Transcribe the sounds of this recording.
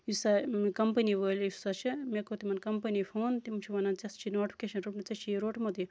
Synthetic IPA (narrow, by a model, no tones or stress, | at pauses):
jisamkɐmpɐniʋəːlʲisat͡ʃʰimekot̪imɐnkɐmpɐnifʰoːnt̪imt͡ʃʰiʋɐnɐnt͡sɐst͡ʃʰinoːʈfʰi̥keʃɐnɾupnɐt͡sɐt͡ʃʰiɾoːʈmɐt̪i